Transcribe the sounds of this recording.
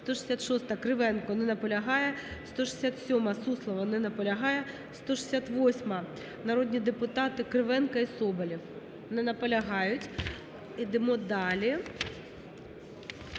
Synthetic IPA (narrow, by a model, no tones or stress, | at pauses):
st̪ɔʂɐ̥sʲat̪ʂɔst̪ɐɐkɾɨʋɛnkʊnɪnɐpɐlʲɐɦɑjɛst̪ɔʂɐ̥sʲat̪sʲɔmɐsuslˠɐʋɐnɪnɐpɐlʲɐɦɑjɛ | st̪ɔʂɐ̥sʲat̪ʋɔsʲmɐ | nɐɾɔd̪ʲnʲid̪ɛpʊt̪ɑt̪ɪkɾɨʋɛnkɐisɔbɐlʲif | nɪnɐpɐlʲɐɦɑjʊtʲ | id̪ɪmɔd̪ɑlʲɪ